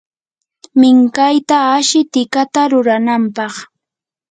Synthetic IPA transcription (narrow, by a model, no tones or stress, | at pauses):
mɪŋkajt̪aːʃɪt̪ɪkat̪aɾʊɾanampɑχ